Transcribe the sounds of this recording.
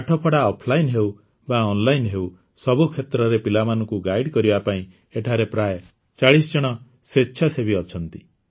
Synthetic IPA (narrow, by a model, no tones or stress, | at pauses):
ʈʰɔpʰɔɽaɔpʰlajnɦeu | baɔnlajnɦeu | sɔbukʰet̪ɾɔɾepilamanɔkuɡajɽkɔɾibapaĩ | eʈʰaɾepɾajɔ | t͡ʃaɭisd͡ʒɔɽ̃ɔ | setːt͡ʃʰasebiɔt͡ʃʰɔnt̪i